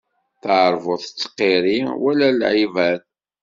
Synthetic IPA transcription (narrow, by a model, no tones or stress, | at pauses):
θəʕɾˤvʊθt͡sːqːiɾiwælælʕivæð